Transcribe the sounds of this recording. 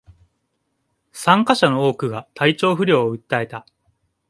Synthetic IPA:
sãŋkaɕano̞oːkɯ̟ɡat̪ait͡ɕo̞ːɸɯ̟ɾʲo̞ːoɯ̟t̪ːae̞t̪a

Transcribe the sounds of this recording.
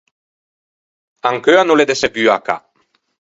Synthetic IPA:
aŋkøanoled̪eseɡyaka̰

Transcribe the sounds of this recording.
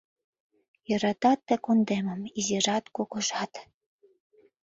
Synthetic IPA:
jɤ̆ɾɑt̪ɑt̪ːĕkond̪emə̆mizeʒɑt̪kokɤ̆ʒɑt̪

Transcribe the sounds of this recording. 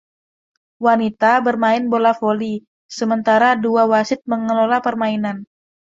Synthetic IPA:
wanit̪abərmaɪnbolafoli | səmənt̪aɾaduawasɪt̪̚məŋəlolapərmainan

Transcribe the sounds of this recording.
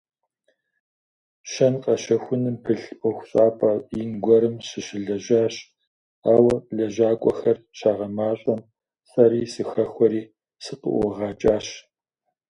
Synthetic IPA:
ʃɐnqʼɐɕɐxʷʊnɨmpʰɨɬʔʷʼɔxʷɕʼaːpʼɐinɡʷɔɾɨmɕɨʃɪɮɐʒaːɕ | aːwɐɮɐʒaːkʷʼɔ̰xɐr | ɕaːʁɐmaːɕʼɐm | sʼɐɾiːsɨxɐxʷɔɾiː | sɨqə̰ʔʷɔʁɑːt͡ʃʼaːɕ

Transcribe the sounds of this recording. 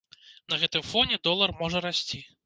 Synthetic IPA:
nɐɣɛt̪ɨmfɔnʲɛd̪ɔlˠɐrmɔʐɐɾasʲt͡sʲi

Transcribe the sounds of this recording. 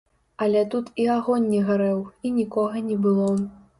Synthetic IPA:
ɐlʲɛt̪ut̪iaɣɔnʲːɛɣaɾɛwinʲikɔɣɐnʲɛbɨlˠɔ

